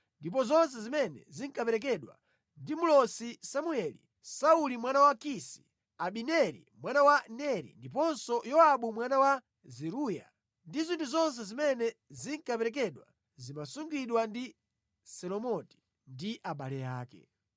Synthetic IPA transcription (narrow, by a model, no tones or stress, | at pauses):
ndip̬ɔzɔns̬ɛzimɛnɛ̰ziŋkapɛɾɛk̬ɛɗwa̰ | ndimulɔsisamuɛlḭ | saulimwanawakisi̥̰ | aɓinɛɾḭmwanawanɛɾḭndip̬ɔnsɔjɔaɓumwanawa | zɛɾuja̰ | ndizintʰuzɔns̬ɛzimɛnɛziŋkapɛɾɛk̬ɛɗwa̰ | zimasuŋɡwiɗwandi | sɛlɔmɔti̥ | ndiʔaɓalɛja̰ːkɛ̰